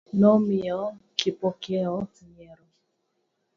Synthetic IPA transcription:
nɔmiɔkipɔkjɛɔtiɲɛɾɔ

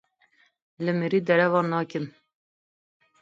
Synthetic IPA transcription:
ləmiɾiːd̪ɛɾɛvɑːnɑːkən

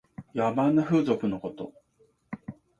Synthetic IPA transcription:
jabãnːaɸɯ̟ːzo̞kɯ̟no̞ko̞t̪o̞̰

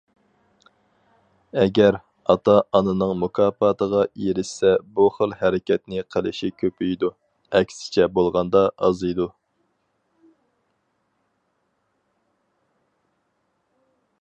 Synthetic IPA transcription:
ɛɡʲɛɾ | ɑt̪ʰɑʔɑnɨnɨŋmukʰɑːpɑt̪ʰəʁɑeɾɪʃsɛbuχəlˠhæɾɪkʲɛt̪nɪqʰəlˠɪʃikʲʰøpʰyjd̪u | ɛkʲsɪ̥t͡ʃʰɛbolˠʁɑnd̪ɑʔɑ̰zɨjd̪u

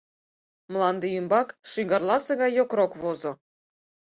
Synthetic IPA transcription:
mlˠɑnd̪ejymbɑkʂyɡɑrlˠɑsɤ̆ɣɑjjokrokβozɤ̆

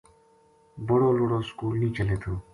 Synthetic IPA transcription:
bʊɽoːloːɽoːskuːlnĩːt͡ʃəleːt̪ʰoː

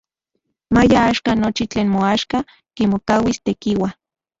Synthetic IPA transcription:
majaaːʃkanot͡ʃit͡ɬeːnmoaʃka | kimokawist̪ekiwa

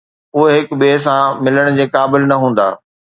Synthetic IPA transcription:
ʊɦɦɪkɓes̬ãmɪləɽ̃d͡ʑeːkaːbɪlnɐɦũːn̆d̪a̰ː

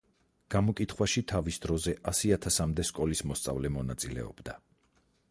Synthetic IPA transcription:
ɡ̥amɔkʼit̪ʰχwaʃit̪ʰavisd̪ɾɔzɛʔasiat̪ʰasamd̪ɛskʼɔlismɔst̪sʼa̰vlɛmɔnat̪sʼilɛ̰ɔ̰b̥d̪a

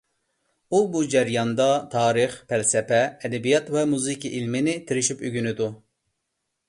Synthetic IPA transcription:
ubud͡ʒɛɾjɑnd̪ɑt̪ʰɑːɾɨχpʰɛlsɛpɛːd̪ɛbijɑt̪vɛmuzikʲiʔilmɪnɪt̪ʰiɾɪʃipyɡʲynɪd̪u

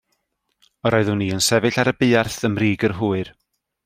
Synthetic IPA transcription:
ɔɾɔːɨðʊniːənsɛvɨɬaɾəbɪːarθəmriːɡərɦuːɨr

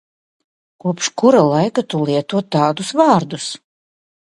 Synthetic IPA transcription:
kuɔpʃkuɾalˠajkat̪ulˠiɛt̪uɔt̪ːaːd̪usvaːɾd̪us

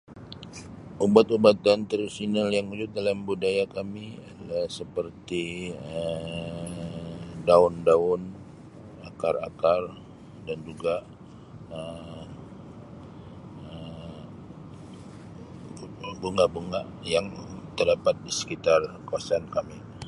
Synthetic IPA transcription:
ʔubat̪ubat̪ant̪ərsinaljaŋud͡ʒʊt̪̚dalambudajakamiadalahsəpərt̪iə | daʊndaʊn | akarakar | dand͡ʒuɡa | ə | ə | buŋɡaʔbuŋaʔjaŋt̪ərdapat̪̚disə̥kit̪arkawasaːnkami

